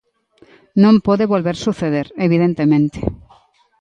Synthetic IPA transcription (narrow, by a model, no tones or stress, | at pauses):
nõmpoðeβolβeɾsuθeð̞eɾeβiðẽnt̪emẽnt̪e̥